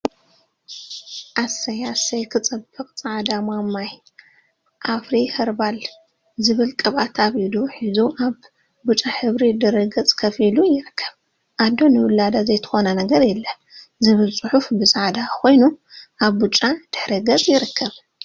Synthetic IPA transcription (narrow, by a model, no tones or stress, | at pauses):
ʔasɐjasɐjkʰɨt͡sʼɐbɨkʼt͡sʼaʕd̪amamaj | ʔafɾihɐɾbal | zɨβɨlkʼɐβat̪ʰaβid̪uħizuʔaβ | but͡ʃʼaħɨβɾid̪ɨɾɨɡɐt͡sʼkʰɐfilujɪɾɨkʰːɐβ | ʔad̪o̞nɨwʊlːad̪azɐjt̪ʰɨ̥xo̞nɐnɐɡɐɾjɛlːɐ | zɨβɨlt͡sʼʊħufbɨzʼaʕd̪ako̞jnuʔaβbut͡ʃʼːad̪̥ɨħɾiɡɐt͡sʼjɪɾɨkʰːɐβ